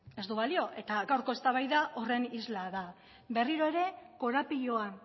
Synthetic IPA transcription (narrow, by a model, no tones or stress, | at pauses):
e̞zd̪uβalio̞ʔe̞t̪aɡawɾko̞e̞st̪aβajðaʔo̞re̞nizlaða | be̞riɾo̞e̞ɾe̞ko̞ɾapiʎo̞a